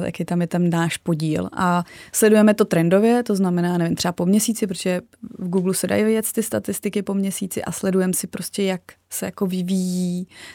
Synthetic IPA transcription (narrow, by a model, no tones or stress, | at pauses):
t̪ja̰kɪt̪amjɛt̪annaːʃpo̞ɟiːlʔaslɛdujɛmɛt̪o̞t̪ɾɛndo̞vjɛt̪o̞znamɛnaːnɛvɪmt̪r̥ɛbapo̞mɲɛsiːt͡sɪp̬ɾoʒɛ | vɡuːɡlusɛda̰jvɪjɛt̪st̪ɪst̪at̪ɪst̪ɪkɪpo̞mɲɛsiːt͡sɪ̰ʔa̰slɛdujɛmsɪpɾo̞scʲɛjak | sɛjako̞vɪvijiː